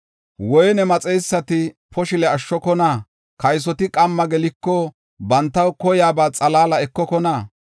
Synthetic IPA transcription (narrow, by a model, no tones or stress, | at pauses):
wɔjnɛmɐt͡sʼɛjsːɐt̪ɪpʰɔʃɪlɛɐʃːɔkɔnaː | kɐjs̬ɔt̪ɪkʼɐmːɐɡɛlɪkːɔ | bɐnt̪ːɐwkɔjaːbaːt͡sʼɐlaːlɐɛkːɔkɔnaː